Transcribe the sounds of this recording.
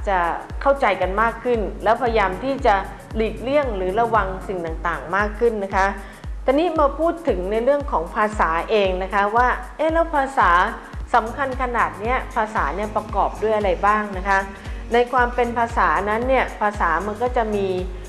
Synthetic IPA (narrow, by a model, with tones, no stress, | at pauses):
t͡ɕa˨˩kʰa˥˩wt͡ɕa˧jka˧nmaː˥˩kʰːɯ˥˩nlɛː˦˥wpʰa˧jjaː˧mt̪ʰiː˥˩t͡ɕa˨˩ | liː˨˩t̪̚lɯ˥˩əŋɾɯː˩˦ɾa˧wa˧ŋsi˨˩ŋt̪a˨˩ŋt̪aː˨˩ŋmaː˥˩kʰːɯ˥˩nːa˦˥kʰa˦˥ | t̪ʰɛː˨˩niː˦˥maː˧pʰuː˥˩t̪ʰːɯ˩˦ŋna˧jɾɯ˥˩əŋkʰɔː˩˦ŋpʰaː˧saː˩˦ʔeː˧ŋna˦˥kʰa˦˥waː˥˩ʔeː˦˥˩lɛː˦˥wpʰaː˧saː˩˦ | sa˩˦mkʰa˧nkʰa˧naː˨˩t̪̚ni˦˥ɐpʰaː˧saː˩˦ni˥˩ɐpɾa˧kɔː˨˩p̚du˥˩əjʔa˧ɾa˧jbaː˥˩ŋna˦˥kʰa˦˥ | na˧jkʰwaː˧mpe˧npʰaː˧saː˩˦na˦˥nːi˥˩ɐpʰaː˧saː˩˦ma˧nkɔː˥˩t͡ɕa˨˩miː˧